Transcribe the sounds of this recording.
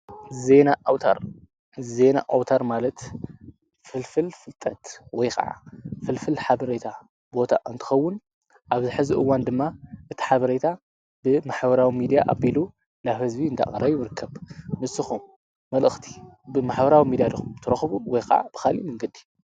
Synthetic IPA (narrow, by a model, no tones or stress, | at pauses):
ze̞nawt̪ʰa̰ɾ | ze̞na̰ʔawt̪ʰaɾmalɐt̪ | fɨlfɨlfɨlt̪ʼɐt̪wɔjxʼɐ̰ʕa̰fɨlfɨlħaβɐɾet̪ʰa | bo̞t̪ʰa̰ʔɨnt̪ʰɨ̥xɐwːʊn | ʔaβzɨħɨziʔɨwːand̪ɨmːaʔɨt̪ʰi̥ħaβɐɾet̪ʰa | bɨmaħbɐɾawimid̪ijaʔa̰bilu | lahɨzbiɨnd̪a̰kʼɐɾɐβjɨɾɨkʰːɐβmɨsɨxumː | ɐlʔɨxt̪ʰi̥bɨmaħbɐɾawimid̪ijad̪ɨxumt̪ʰɨɾɐxβuwɔjxɐ̰ʕa̰b̥ɨxalḭmɨŋɡɨd̪i